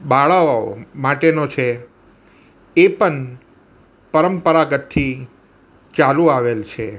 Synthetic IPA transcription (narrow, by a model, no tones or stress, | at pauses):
ɓaɭaoomaʈenot͡ʃʰe | epəɳ | pəɾəmpəɾaɡət̪ʰːi | t͡ʃaluaʋelt͡ʃʰe